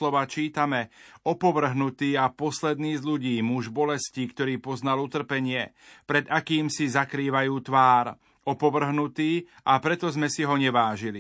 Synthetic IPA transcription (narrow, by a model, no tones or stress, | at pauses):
lɔʋaːt͡ʃiːt̪amɛɔpɔʋr̩ɦnut̪iːapɔslɛd̪niːzʎuɟiːmuʒbɔlɛsciːkt̪ɔɾiːpɔznalut̪r̩pɛɲɪɛpɾɛd̪akiːmsizakɾiːʋajuːt̪ʋaːɾ | ɔpɔʋr̩ɦnut̪iː | apɾɛt̪ɔzmɛsiɦɔɲɛʋaːʒili